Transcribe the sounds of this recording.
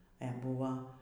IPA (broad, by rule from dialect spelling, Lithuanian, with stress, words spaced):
ɛ ˈbʊʋɐ